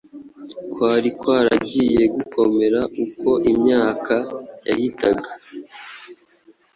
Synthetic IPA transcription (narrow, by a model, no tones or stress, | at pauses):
kwaːɾikwaːɾa̰ɟiːje̞ɡuko̞me̞ɾaʔuko̞ʔimɲaːkʰaja̰hitaɡa